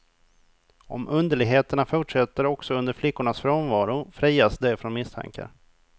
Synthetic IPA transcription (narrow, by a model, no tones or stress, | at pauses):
ɔ̰mʔɵnd̪əɭɪɡɦeːt̪əɳafʊʈʂɛt̪ːəɾɔksɔɵnd̪əɾflɪkːʊɳasfɾoːnvɑːɾʊfɾiːjasd̪ɛfɾɔnmɪst̪ʰa̰ŋkʰa̰ɾ